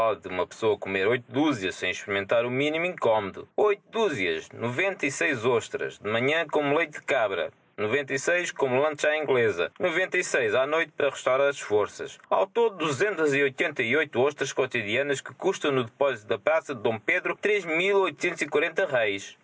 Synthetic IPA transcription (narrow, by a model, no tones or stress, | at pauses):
ɔd̪ɨumɐpsoɐkumeɾojt̪ud̪uziɐʃsẽj̃ʃpɨɾimẽnt̪aɾuminimĩŋkɔmuðṵojt̪ud̪uziɐ̰ʃnuvẽnt̪ɐisejzoʃt̪ɾɐ̰ʒd̪ɨmɐɲɐ̃komulˠejt̪d̪ɨkaβɾɐ̰ | nuvẽnt̪ɐisejʃkomulˠɐ̃nt̪ʒaĩŋɡlˠezɐ̰nuvẽnt̪ɐisejzanojt̪̚pɐɾɐʁɨʃt̪awɾaɾɐʃfoɾsɐ̰ʃa̰wt̪od̪uzẽnt̪ɐziojt̪ẽnt̪ɐiojt̪uoʃt̪ɾɐʃkot̪iðiɐnɐʃkɨ̥kuʃt̪ɐ̃w̃nuðɨpɔzit̪uðɐpɾasɐd̪ːõpeðɾut̪ɾeʒmilˠojt̪u̥sẽnt̪uz̥ikwɐɾẽnt̪ɐʁɐjʃ